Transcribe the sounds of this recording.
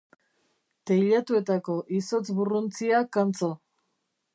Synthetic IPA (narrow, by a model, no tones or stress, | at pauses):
t̪ejʎat̪ue̞t̪ako̞ʔiso̞t͡sβurunt͡siakant͡so̞